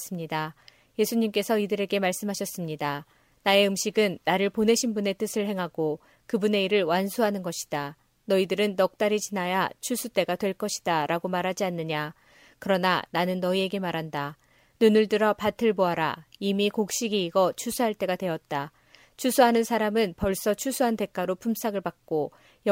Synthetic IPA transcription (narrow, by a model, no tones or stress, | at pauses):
s͈ɯmɲida | je̞sʰuɲimk͈e̞sʰʌidɯɾe̞ɡe̞maɭs͈ɯmɦaɕʰʌs͈ɯmɲida | nae̞ɯmɕiɡɯnːaɾɯɭpone̞ɕʰinbune̞t͈ɯsʰɯɭhe̞ŋɦaɡ̥o | kɯbune̞iɾɯɭwansʰuɦanɯnɡʌɕʰi̥d̥a | nʌidɯɾɯnːʌk̚t͈aɾit͡ɕinajat͡ɕʰusʰut͈e̞ɡatwe̞ɭk͈ʌɕʰi̥d̥aɾaɡomaɾɦad͡ʑianːɯɲa | kɯɾʌnananɯnːʌie̞ɡe̞maɾɦanda | nunɯɭdɯɾʌpatʰɯɭboɦaɾaimikok̚ɕ͈iɡiːɡʌt͡ɕʰusʰuɦaɭt͈e̞ɡadwe̞ʌt̚t͈a | t͡ɕʰusʰuɦanɯnsʰaɾamɯnpʌɭs͈ʌt͡ɕʰusʰuɦante̞k͈aɾopʰums͈ʰaɡɯɭbak̚k͈o | j